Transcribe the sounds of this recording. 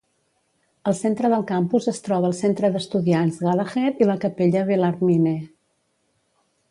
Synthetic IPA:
əlˠsent̪ɾəðəlˠkampuzəst̪ɾɔβəːlˠsent̪ɾəðəst̪uðianzɣaləɣɛɾiləkəpeʎəβelərmine

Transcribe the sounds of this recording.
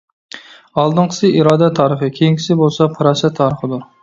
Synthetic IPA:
ɑlˠd̪ɨɴqʰə̥sɨiɾɑːd̪ɛt̪ʰɑːɾəfɨkʲʰejiŋkʲʰi̥sɪbolˠsɑpʰɨɾɑsɛt̪ʰɑːɾəχɨd̪ʊɾ

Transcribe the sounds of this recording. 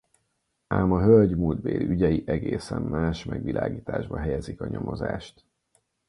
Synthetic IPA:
aːmɒɦølɟmuld̪beːliyɟɛjiʔɛɡeːsɛmmaːʃmɛɡʋilʔaːɡiːt̪aːʒbɒɦɛjɛzikɒɲo̞mo̞zaːʃt̪

